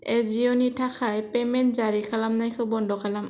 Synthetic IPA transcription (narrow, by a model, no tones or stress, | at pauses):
ezijɔnitʰakʰajpɛmɛntzaɾikʰalamnajkʰɯbɔndɔkʰalam